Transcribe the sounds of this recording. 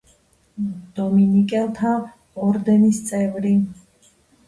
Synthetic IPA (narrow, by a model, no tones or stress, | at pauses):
d̪̥ɔminikʼɛlˠt̪ʰa | ɔɾd̪ɛnist̪sʼɛvɾi